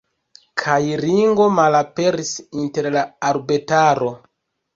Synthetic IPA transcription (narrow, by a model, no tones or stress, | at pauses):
kʰajɾiŋɡo̞malape̞ɾisinte̞ɾlaːɾbetaɾo̞